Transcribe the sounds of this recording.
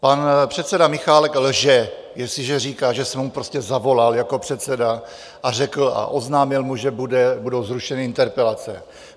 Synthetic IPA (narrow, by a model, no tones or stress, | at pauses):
panpr̥ɛt̪sɛdamɪxaːlɛklʒɛ | jɛslɪʒɛriːkaːʒɛsɛmːupɾo̞scɛzavo̞laljako̞pr̥ɛt̪sɛda | ʔar̝ɛkl̩a̰ʔo̞znaːmɪlmuʒɛbudɛbudowzɾuʃɛnɪʔɪnt̪ɛɾpɛlat͡sɛ̰